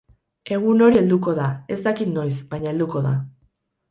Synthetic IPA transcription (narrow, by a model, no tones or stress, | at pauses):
e̞ɣ̞uno̞ɾie̞ld̪uko̞ðae̞zt̪akit̪no̞jsbajɲae̞ld̪uko̞ða̰